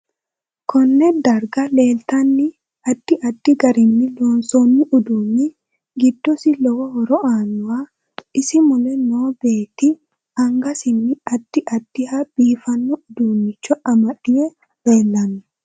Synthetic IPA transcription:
kʰɔnːɛd̪ɐɾɡɐle̞ːlt̪ɐnːɪ | ɐd̪̥ːɪʔɐd̪ːɪɡɐɾɪnːɪloːnsoːnːɪʔʊd̪unːɪ | ɡɪd̪ːɔsɪlɔwɔhɔɾɔʔaːnʊa | ɪsɪmʊlɛnoːbe̞ːt̪ɪ | ɐŋɡɐsɪnːɪɐd̪̥ːɪʔɐd̪̥ːɪhab̥iːfɐnːɔʊd̪unːɪt͡ʃːɔʔɐmɐᶑɪjɛ | le̞ːlːɐnːʊ

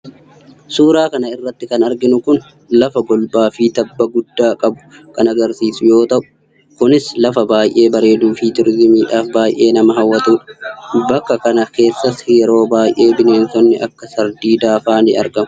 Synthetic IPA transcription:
suːɾaːkɐnɐɪrːɐt̪ːɪkɐnɐɾɡɪnʊkʊn | lɐfɐbɔlbaːfiːt̪ɐbːɐɡʊd̪ːaːkʼɐbʊ̥kɐnɐɡɐɾsiːsʊjo̞ːt̪ɐʔʊ̥ | kʊnɪslɐfɐbaːjʔe̞ːbɐɾe̞ːd̪uːfiːt̪ʊɾɪzmiːᶑaːfbaːjʔe̞ːnɐmɐɦɐwːɐt̪uːᶑbɐkːɐkɐnɐke̞ːsːɐsjɛɾo̞ːbaːjʔe̞ːbɪne̞ːnsɔnːɪʔɐkːɐsɐɾd̪iːd̪aːfaːnɪ̰ɐ̰ɾɡɐmʊ

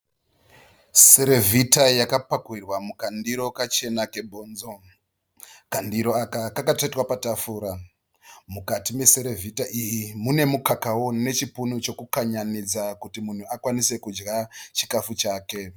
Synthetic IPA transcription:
se̞ɾevʱitajakapakwirwamukandiɾo̞kat͡ʃe̞nake̞bʱo̞ːnzo̞ | kandiɾo̞akakakatetwapatafuːɾa | mukatime̞se̞ɾe̞vʱitaʔijimune̞mukakawo̞ne̞t͡ʃipunut͡ʃo̞kukaɲanid͡zakutimun̤uakwanise̞kud͡ʒɡat͡ʃi̥kafut͡ʃaːke̞

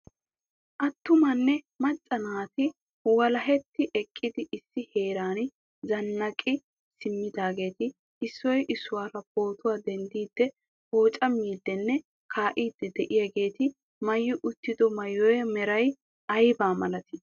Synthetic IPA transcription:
ʔɐt̪ːʊmɐnːɛ | mɐt͡sʼːɐnaːt̪ɪ | wɐlɐɦɛt̪ːɪʔɛkʼːɪd̪ɪʔɪsːɪhe̞ːɾaːn | zɐnːɐkʼɪ | sɪmːɪd̪aːɡe̞ːt̪ɪ | ɪsːɔjʔɪsːʊwaːɾɐbo̞ːt̪ʊwaːd̪ɛnd̪iːd̪̥ːɛ | ho̞ːt͡ʃʼɐmːiːd̪ːɛnːɛ | kʰaːʔiːd̪ːɛd̪ɛʔɪjɐɡe̞ːt̪ɪ | mɐjːʊʔʊt̪ːɪd̪ɔmɐjːɔjɛmɛɾɐj | ʔɐjbaːmɐlɐt̪ɪ

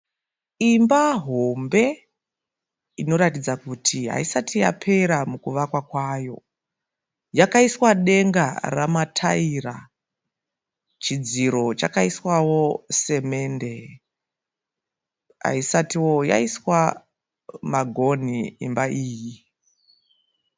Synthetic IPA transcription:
imbaɦo̞mbe̞ | ino̞ɾatid͡zakutʰiɦa̰isatija̰pʰe̞ɾamukuʋakwakwaːjo̞̰ | jakaiswaɗe̞ŋɡa̰ramatʰaira̰ | t͡ʃid͡ziɾo̞t͡ʃakaiswawose̞me̞nde̞ | ɦa̰isatiwo̞ja̰iswa | maɡʱo̞nḭːmbaiːji

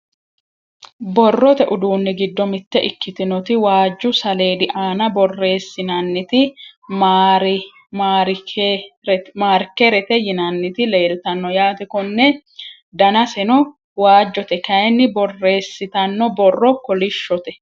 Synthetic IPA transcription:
bɔrːɔt̪ɛʔʊd̪uːnːɪɡɪd̪ːɔmɪt̪ːɛʔɪkːɪt̪ɪnɔt̪ɪwaːd͡ʒːʊsɐle̞ːd̪ɪʔaːnɐbɔrːe̞ːsːɪnɐnːɪt̪ɪmɾ | mːɾ | maːɾkɛɾɛt̪ɛjɪnɐnːɪt̪ɪle̞ːlt̪ɐnːɔjaːt̪ɛkɔnːɛ | d̪ɐnɐsɛnɔ | waːd͡ʒːɔt̪ɛkɐjɛnːɪbɔrːe̞ːsːɪt̪ɐnːɔbɔrːɔkɔlɪʃːɔt̪ɛ

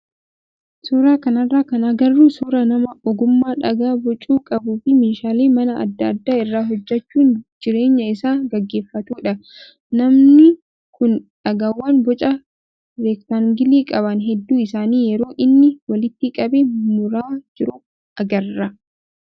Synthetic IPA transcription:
suːɾaːkɐnɐrːaːkɐnaɡɐrːuːsuːɾɐnɐmɐʔɔɡʊmːaːᶑɐɡaːbɔt͡ʃʼuːkʼɐbuːfɪmɪːʃaːleːmɐnɐɐ̰d̪ːɐd̪ːaːɪrːaːɦɔd͡ʒːɐt͡ʃːuːnd͡ʒɪɾe̞ːɲːɐɪsaːɡɐɡːe̞ːfːɐt̪uːᶑɐ | nɐmnɪ | kʰʊnᶑɐɡaːwːaːnbɔt͡ʃʼɐ | ɾeːkt̪aŋɡɪliːkʼɐβɐnɦɛd̪ːuːɪsaːniːjɛɾo̞ːʔɪnːɪwɐlɪt̪ːɪkʼɐbemʊɾaːd͡ʒɪɾʊ | ʔɐɡɐrːɐ

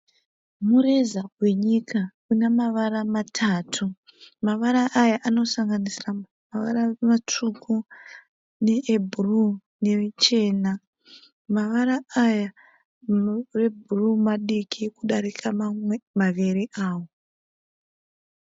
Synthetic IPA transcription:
mure̞zawe̞ɲikakunemaʋaɾamatʰaːtʰu | maʋaɾaʔajaʔano̞saŋɡanisira | maʋa̰ɾamat͡ʂukʰu | ne̞ʔːbʱuru | ne̞et͡ʃe̞ːna | maʋaɾaaja | re̞bʱurumaɗikʰikuɗaɾikʰamamaʋeɾiʔaːwo̞

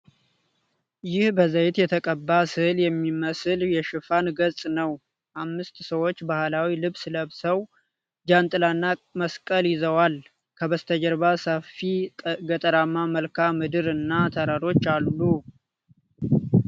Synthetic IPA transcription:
jɪhbəzəjɪt̪jɛt̪ʰəkʼəbːasɨhljɛmːiməsɨljɛʃɨfanɡət͡sʼnəw | ʔamːɨst̪səwo̞t͡ʃːbahlawilɨβsləβsəw | d͡ʒant̪ʼɨlanːaməskʼəljɪzəwal | kʰəβəst̪ʰəd͡ʒəɾbasəfiɡət̪ʼəɾamːaməlkʰamɨd̪ɨɾɨnːat̪ʰəɾaɾo̞t͡ʃːalːu

